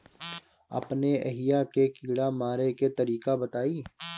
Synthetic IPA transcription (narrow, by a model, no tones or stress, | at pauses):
ɐ̰pneḛɦɪjakekiːɽamaːɾeket̪ɐɾiːkabɐt̪aːiː